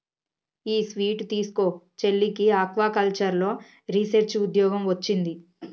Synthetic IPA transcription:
iːsʋiːʈt̪iːsu̥koː | t͡ʃe̞lːikiaːkʋaːkɐlt͡ʃɐɾlo̞ː | ɾiseɾt͡ʃud̪jɔːɡɐmʋɐt͡ʃːind̪i

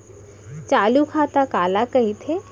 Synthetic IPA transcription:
t͡ʃaːlukʰaːt̪akaːlakɐɦit̪ʰe

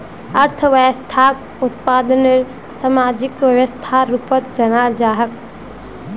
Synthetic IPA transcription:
ɐɾt̪ʰəʋəjəst̪ʰaː | ʊt̪̚paːd̪əneɾ | sɐmaːd͡ʒɪkʋəʋəst̪ʰaɾuːpət̪̚d͡ʒɐnaːld͡ʒaːɦək

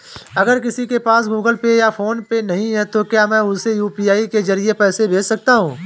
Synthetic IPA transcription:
ɐɡəɾkɪsikepaːsɡuːɡəlpejafʰoːnpenɐɦĩɦɛt̪okjaːmɛ̃ːʊsejuːpiːaːikezɐɾiepɛːsebʱeːt͡ʃsɐk̚t̪aɦũː

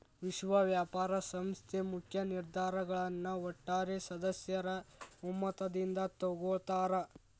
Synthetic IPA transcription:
ʋiʃʋɐʋjaːpaːɾɐsɐmst̪ʰemukʰjɐniɾd̪ʱaːɾɐɡɐɭɐnːuɔʈːaːɾesɐd̪ɐsjɐɾɐumːɐt̪ɐd̪ind̪ɐt̪ɔɡoɭt̪aːɾɐ

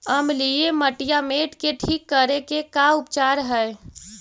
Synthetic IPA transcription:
əmlieməʈijameʈkeʈʰiːkːəɾekekaʊpt͡ʃaɾɦəj

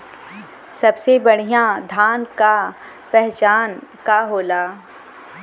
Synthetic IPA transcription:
sɐbsebɐɽ̤ijãd̪ʱaːnka | pɛɦt͡ʃaːnkaɦoːlaː

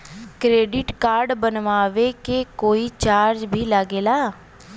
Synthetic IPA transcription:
kɾeːɖɪʈkaːɾɖbənʋaːʋeːkeːkoːiːt͡ʃaːɾd͡ʒbʱiːləɡeːlaː

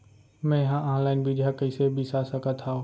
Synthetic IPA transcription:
mɛ̃jɐɦãʔaːnlaːɪnbʱid͡ʒɦãkəisebʱisasəkət̪ʰaõː

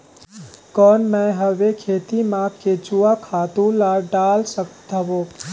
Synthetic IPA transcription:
kɔːnmɛɦəʋekʰeːt̪imakked͡ʒuakʰaːt̪ũlaɖaːlsəkt̪əbo

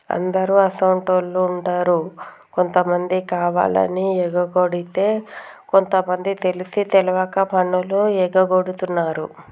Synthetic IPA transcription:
ɐ̰nd̪ɐɾuɐsɐwɳʈolːuːɳʈaːɾu | ko̞nt̪ɐmɐnd̪ikaːʋa̰ːlɐ̰niɛɡɐɡoɽit̪e̞ːko̞nt̪ɐmɐnd̪it̪e̞lisit̪ɛlɐʋɐkɐpɐɳuluɛɡɐɡoɽut̪unːaːɾṵ

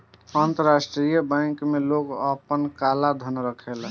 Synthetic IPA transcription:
ənt̪əɾasʈɾijəbə̃ŋkmeloɡəpənkalad̪ʱənɾəkʰel

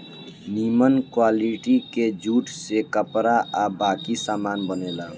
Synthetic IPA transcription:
nimənkwaliʈiked͡ʒuːʈsekəpɾaʔabakisaːmaːnbənela

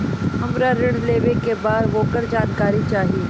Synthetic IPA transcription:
ɦɐmɾaɾɪɽ̃leːʋekebaːd̪ʋoːkəɾd͡ʒaːnkaːɾit͡ʃaːɦieː

